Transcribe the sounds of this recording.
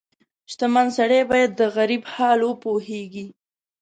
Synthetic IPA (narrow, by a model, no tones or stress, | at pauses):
ʃt̪amansaɽebɑjad̪ːəɣaɾibhɑlwəpoheɡi